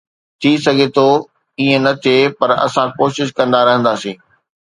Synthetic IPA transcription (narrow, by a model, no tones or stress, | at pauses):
t̪ʰiːsɐɡʱet̪ʰo | iːẽnɐt̪ʰiepɐɾɐ̰sãkoːʃɪʃkɐ̃nd̪aɾɐɦə̃nd̪aːsĩː